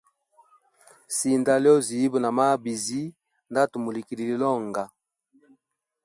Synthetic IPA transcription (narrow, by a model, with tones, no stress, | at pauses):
si˨nda˨lɔ˦zi˨ji˦bu˨na˨ma˦bi˨zi˦ | nda˦to˨mo˨li˨ki˨li˨li˨lɔ˦ŋɡa˨